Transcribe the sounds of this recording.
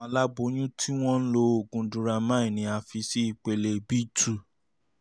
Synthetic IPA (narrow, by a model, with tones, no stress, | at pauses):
ɔ̃˧˦la˦ɡ͡bo˧˦ñũ˦tʰi˦w̃ɔ̃˦n̩˦lo˧o˨ɡũ˧dũ˧ɾa˧mã˦ĩ˦˨nĩ˧a˧fi˧si˦i˨k͡pe˧le˧bi˦tu˦˨